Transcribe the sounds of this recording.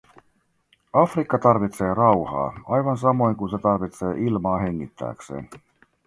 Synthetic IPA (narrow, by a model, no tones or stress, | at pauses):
ɑfrikːɑt̪ɑrʋit̪se̞ːrɑwhɑ̰ːɑjʋɑns̬ɑmo̞jŋkunse̞t̪ɑrʋit̪se̞ːʔilmɑːɦe̞ŋːit̪ːæ̰ːksḛːn